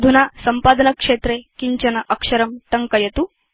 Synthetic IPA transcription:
d̪ʱunasɐmpaːd̪ɐnɐkʂet̪ɾekiɲt͡ɕɐnɐʔɐkʂɐɾɐmt̪ɐŋkɐjɐt̪u

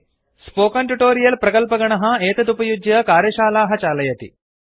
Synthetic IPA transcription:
spoːkɐnʈuʈoːɾijɐlpɾɐkɐlpɐɡɐɳɐɦɐ̆eːt̪ɐt̪upɐjud͡ʒjɐkaːɾjɐʃaːlaːɦɐt͡ʃaːlɐjɐt̪ḭ

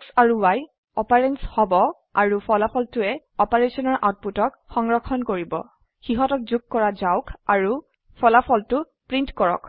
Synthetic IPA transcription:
ksaɹuwaj | ɔpaɹenshɔbɔ | aɹupʰɔlapʰɔltʊɛ | ɔpaɹesɔnɔɹʔa̰wt̚putɔkxɔŋɹɔkʰɔnkoɹibɔ̰ | xiɦɔtɔk̚zuɡ̚kɔɹazaʊkaɹu | pʰɔlapʰɔltʊ | pɹintkɔɹɔ̰k

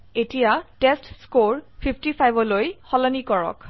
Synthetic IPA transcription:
etijatestskoɹpʰipʰtipʰajbɔlojxɔlɔnikɔɹɔ̰k

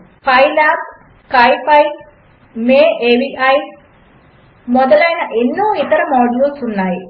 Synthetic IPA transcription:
pʰɐjlaːp̚ | kɐjpɐj | meːʔeːʋiɐj | mɔd̪ɐlɐjnɐʔenːoːit̪ɐɾɐmaːɖuulsunːaːji

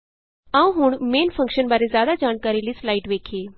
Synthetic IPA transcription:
ãːʋũɦʊɳ̃meːnfʰə̃ŋkʃənbaːɾezjaːd̪ad͡ʒaːɳkaːɾilislaːiʈʋeːkʰeː

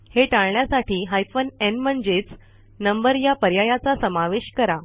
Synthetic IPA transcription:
heʈaɭɳjasaʈʰiːɦajfənenmənd͡zet͡s | nəmbəɾjapəɾjajat͡sasəmaʋeɕkəɾa

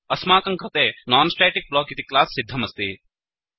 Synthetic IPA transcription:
ɐsmaːkɐŋkɾɐt̪eːnaːnsʈeːʈik̚bloːkit̪iklaːsːid̪ʱːɐmɐst̪ḭ

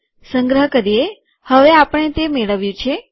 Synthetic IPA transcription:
səŋɡɾəɦkəɾie | həʋeapəɳ̃et̪emeɭəʋjũt͡ʃʰe

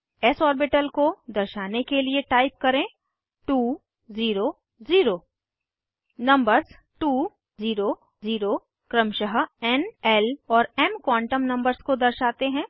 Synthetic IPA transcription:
ɛsɔːɾbɪʈəlkod̪ɐɾʃaːnekelieʈaːɪp̚kɐɾẽː | ʈuː | ziːɾo | ziːɾoː | nɐ̃mbəɾz | ʈuː | ziːɾo | ziːɾo | kɾə̃mʃəɦɛnɛlɔːɾɛmkwãːɳʈəmnɐ̃mbəɾzkod̪ɐɾʃaːt̪eɦɛ̃ː

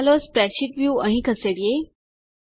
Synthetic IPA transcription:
lospɾɛɕiʈʋjuə̃ɦĩːkʰəseɽije

